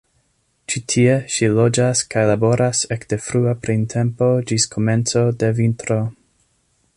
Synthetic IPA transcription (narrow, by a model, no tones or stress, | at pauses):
t͡ʃitʰieʃilo̞d͡ʒaskajlabo̞ɾasekd̥efɾuapɾintʰe̞mpo̞d͡ʒiskʰome̞nt͡so̞de̞vintɾo̞